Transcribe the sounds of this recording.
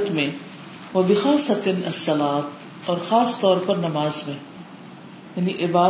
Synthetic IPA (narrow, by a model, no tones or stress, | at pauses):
t̪mẽ | ʋɐbɪxaːsɐt̪ɪnɐsːɐlaːt̪ | ɔːɾxaːst̪ɔːɾpɐɾnɐmaːzmẽ | jɐniʔɪbaː